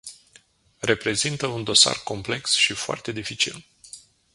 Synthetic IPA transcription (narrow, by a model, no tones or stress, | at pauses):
re̞pɾe̞zint̪əund̪o̞sa̰rko̞mple̞ksʃifoa̰rt̪e̞d̪ifit͡ʃḭl